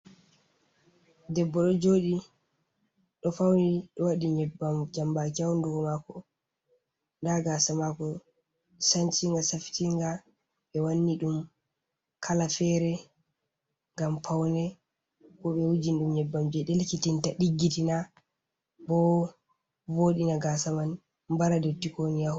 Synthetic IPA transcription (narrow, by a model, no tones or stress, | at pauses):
dɛbːɔɗɔd͡ʒoːɗi | ɗɔfawniɗɔwaɗiɲɛbːamd͡ʒambakawnduɡɔmakɔ | ndaɡasamakɔ | sant͡ʃiŋɡasafi̥tiŋɡa | ɓɛwanːiɗum | kʰalafɛɾɛ | ŋɡamfawnɛ | kɔɓɛwud͡ʒinɗumɲɛbːamd͡ʒɛɗelkitintaɗiɡːitina | bɔ | voɗinaɡasaman | mbaɾadetːikonija